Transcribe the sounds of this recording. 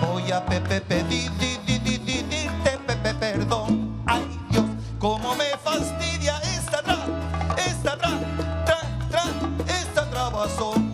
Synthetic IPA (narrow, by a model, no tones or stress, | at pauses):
ojapepepeðiðiðiðiðiðiɾt̪epepepeɾðoŋaj | jo | komomefast̪iðjaest̪at̪ɾaest̪at̪ɾat̪ɾat̪ɾaest̪at̪ɾaβaso